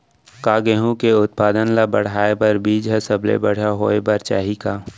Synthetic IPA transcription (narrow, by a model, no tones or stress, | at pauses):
kaːɡeɦũkeʊt̪̚paːd̪ənlabəɽ̤aːebəɾbiːd͡ʒɦəsəblḛbəɽ̤aɦoːebəɾt͡ʃaːɦikaː